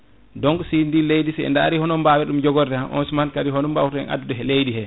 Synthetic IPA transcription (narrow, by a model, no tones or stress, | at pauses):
dɔŋɡsindilejdisɛɛ̰ndaaɾihɔnɔmbawɛɗumd͡ʒɔɡɔɾdɛaʔɔ̰nsmankadiɦɔnumba̰wuɾɛ̰nʔa̰dudɛɦɛlejdihɛ